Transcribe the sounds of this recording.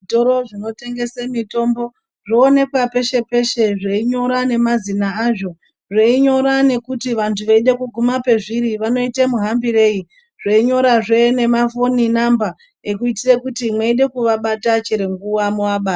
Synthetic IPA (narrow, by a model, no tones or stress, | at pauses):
itoɾo̞ʐino̞te̞ŋɡe̞semito̞mbo̞ | ʐoːne̞kwape̞ʃe̞pe̞ʃe̞ʐeiɲo̞ɾane̞mazinaaʐo̞ | ʐeiɲo̞ɾane̞kutiʋantʰuʋeiɗe̞kuɡʱumape̞ʐiɾiʋano̞itemuɦambire̞ːi | ʐ̥eiɲo̞ɾaʐe̞ne̞mafo̞ninamba | ekuitirekutimweiɗe̞kuʋaɓatat͡ʃeɾeŋɡuwamuwaɓaːta